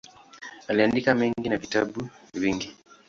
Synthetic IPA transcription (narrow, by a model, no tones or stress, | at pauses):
aliandikameŋɡinavitabuβiŋɡi